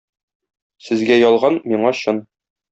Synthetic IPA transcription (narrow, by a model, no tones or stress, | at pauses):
sɘ̆zɡæjɒlˠʁɑnmiɴɑɕɤn